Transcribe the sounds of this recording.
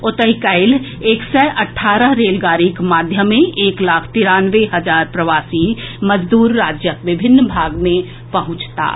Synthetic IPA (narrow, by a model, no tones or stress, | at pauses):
ʊt̪əɦikaɪl | eːksɛʔɐʈʰːaːɾəɦɾeːlɡaːɾikmaːd̪ʱjəmẽʔeːklaːkʰt̪ɪɾãːnʋeɦɐd͡ʒaːɾpɾɐʋaːsimɐd͡ʒd̪uːɾːaːd͡ʒjəkʋɪbʱɪnːbʱaːɡmẽ | pɐɦʊ̃t͡ʃt̪a̰ː